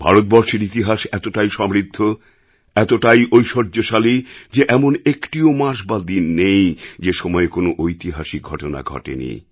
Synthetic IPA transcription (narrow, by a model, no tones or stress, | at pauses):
bʱa̰ɾot̪̚bɔɾʃeɾit̪̬iɦaʃɛt̪oʈajʃɔmɾid̪ʱːo | ɛt̪oʈajʔojʃoɾd͡ʑoʃalid͡ʑeʔɛmonekʈiomaɾʃbad̪inːejd͡ʑeʃɔmɔekonoʔojt̪iɦaʃiɡʱɔʈona̰ɡʱɔ̰ʈḛnḭ